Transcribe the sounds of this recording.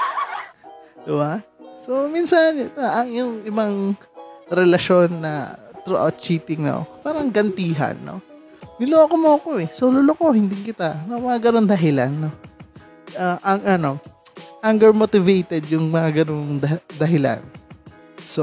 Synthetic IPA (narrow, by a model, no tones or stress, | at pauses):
d̪̥ɪbaso̞minsɐnt̪ʔɐŋjʊŋɪbaŋ | ɾɛlɐʃo̞nːɐ̰t̪ɾoʔa̰t̪̚t͡ʃiːt̪ɪŋno̰paːɾɐŋɡɐnt̪iːɦɐ̰nːo̰ | nɪlokomoʔɐko̞ɛsolʊloko̞hɪnd̪ɪŋkɪt̪anɐmɐŋaɡɐnoŋd̪ɐɦɪlanːo̞ | aʔɐŋʔɐno̞ʔaŋɡɛɹmot̪ɪvejt̪ɛd̪jʊŋmɐŋaɡɐno̞ŋd̪ɐd̪ɐɦɪla̰n | so